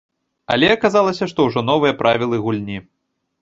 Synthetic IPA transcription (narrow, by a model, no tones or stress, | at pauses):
ɐ̰lʲɛɐkazalˠɐsʲɐʂt̪ɔwʐɔn̪ɔvɨjɐpɾʔavʲilˠɨɣulʲnʲi